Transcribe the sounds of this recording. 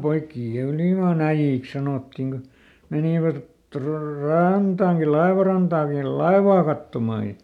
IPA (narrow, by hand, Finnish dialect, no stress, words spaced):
poikːiː jɑ yliˑmɑˑn æijːiˑks sɑnoˑtːiŋ ɡ̊o meniʋæt tro rɑntɑːŋki lɑeʋɑrɑntɑːŋkil̆ lɑeʋɑː kɑtːomɑˑ jɑ